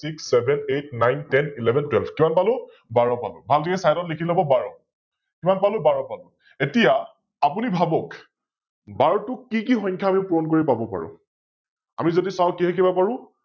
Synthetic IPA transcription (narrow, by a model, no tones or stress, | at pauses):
siksːɛbʱɛnet̚najntɛnilɛbʱɛntwɛlbʰkimanpalʊ | baɹɔpalʊbʱaltʰikɛsajtɔtlekʰilɔbɔbaɹɔ | kimanpalʊ̃baɹɔpalʊ | etija | apunibʱabɔk | baɹtʊkikixɔ̃ɲkʰjaamiʊ̃puɹɔnkoɹipabɔpa̰ɹʊ̰̃ | a̰mizodisaʊ̃kiɦɛkibapaɹʊ̃